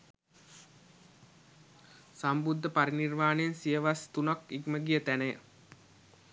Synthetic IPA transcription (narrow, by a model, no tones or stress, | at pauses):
sambud̪ʱːəpaɾinirmaːnejənsijəʋast̪unakiɡməɡijət̪ænəjə